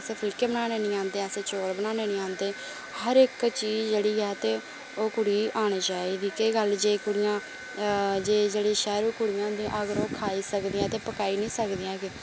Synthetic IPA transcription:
əsẽːpʰɪlkeːbənaːneːnĩːãːnd̪eːəsẽːt͡ʃoːɽbənaːneːnĩːãːnd̪eː | həɾɪkt͡ʃiːd͡ʒd͡ʒeːɽiːɛːt̪eː | oːkʊɽiːaːɽ̃iːt͡ʃaːiːd̪iːkeːɡəld͡ʒeːkʊɽɪjãː | d͡ʒeːd͡ʒeːɽiːʃɛːɾũːkʊɽɪjãːnd̪ĩʔəɡəɾoːkʰaːiːsəkd̪iãːt̪eːpəkaːiːnĩːsəkd̪iːãːɡe

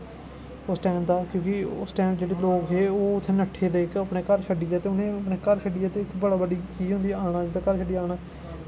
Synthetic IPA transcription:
ʊsʈɛːmd̪aːkjõːkɪʊ̰sʈɛːmd͡ʒeːɽeːloːkɦeːoːʊt̪ʰːeːnəʈʰːeːd̪eːɪkəpɳeːkəɾʃʰəɖiːjaːt̪eːʊnẽːəpneːkəɾʃʰəɖiːaːt̪eːɪkbəɽaːbəɖiːkiːɦõnd̪iːaːɽ̃ãːd͡ʒed̪aːkəɾt͡ʃʰəɖiːaːɳaː

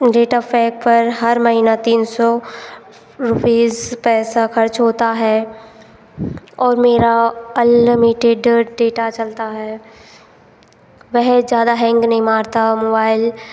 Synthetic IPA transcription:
ɖeːʈapʰɛːk̚pɐɾɦɐɾmɐɦinat̪iːnsɔ | ɾʊpiːzpɛːsakʰɐɾt͡ʃɦoːt̪aɦɛː | ɔːɾmeːɾalɪmɪʈeɖɖeːʈat͡ʃɐlt̪aɦɛː | ʋɛɦd͡ʒjaːd̪aɦɛ̃ːŋɡnɐɦĩmaːɾt̪amoːbaːɪl

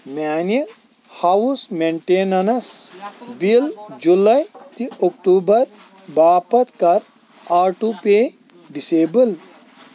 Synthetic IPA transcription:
mʲaːni | hawusmeɳʈeːnɐnɐsbild͡ʒulɐjt̪iʔokʈuːbɐɾ | baːpɐt̪kɐɾ | aːɾʈupeː | ɖiseːbɨl

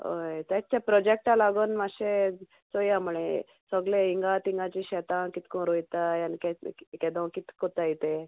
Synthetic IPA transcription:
o̰jt̪at͡ɕapɾɔd͡ʑek̚ʈalaɡonmaɕe | t͡sojamuɭe | səɡleiŋɡat̪iŋɡat͡ɕiɕɛt̪ãkit̪ʰkõɾojt̪ajankɛkɛd̪əwkit̪kot̪ajit̪e

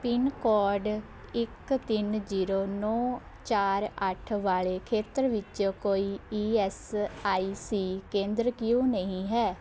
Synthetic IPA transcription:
pɪnkɔːɾɖ | ɪkt̪ɪnd͡ʒiːɾoːnɔː | t͡ʃaːɾəʈʰʋaːɭeːkʰeːt̪əɾʋɪt͡ʃokoːiːiːɛːsaːiːsiːkẽːnd̪ɾkɪjũːnəĩːɦɛː

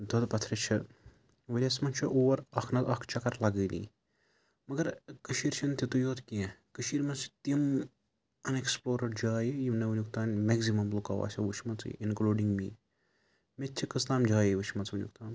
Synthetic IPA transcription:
d̪ʱod̪pɐt̪ʰɾɐt͡ʃʰɐ | ʋɐlʲɐsmɐnt͡ʃʰiʔoːʋɐɾɐkʰnɐzɐkʰt͡ʃʰɐkɐɾlɐɡəːlʲḭ̃ | mɐɡɐɾkəʃiːɾt͡ʃʰɐnt̪ʲit̪ujoːt̪kiẽkəʃiːɾmɐnsʰi̥t̪im | ɐneksploːɾɐɖd͡ʒaːjijiʋnɐʋɐnʲjukt̪aːnmeɡzimɐmblukɐʋa̰ːsʲɐʋut͡ʃʰmɐt͡sḭinkluːɖiŋɡmiː | metʲt͡ʃʰikɐst̪aːmd͡ʒaːjiʋut͡ʃʰmɐnt͡sʋɐnʲjṵkt̪aːn

